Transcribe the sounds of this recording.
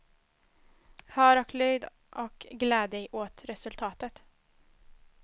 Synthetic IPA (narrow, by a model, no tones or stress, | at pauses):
hœːɾɔklyːd̪ | ʔɔkɡlɛːd̪ɛʔoːt̪ɾɛsɵlt̪ʰɑːt̪ət̪